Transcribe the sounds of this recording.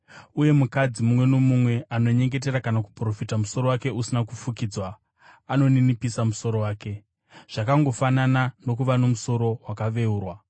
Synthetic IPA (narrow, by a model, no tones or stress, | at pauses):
uje̞mukad͡zimumwe̞nomumwe̞ʔano̞ɲe̞ŋɡe̞t̬e̞ɾakanak̬u̥pro̞fitamuso̞ɾo̞wake̞usinakufukid͡zwaː | no̞ninipisamuso̞ɾo̞waːke̞ | ʐ̥akaŋɡo̞fananano̞kuʋano̞muso̞ɾo̞wakaʋe̞uːrwa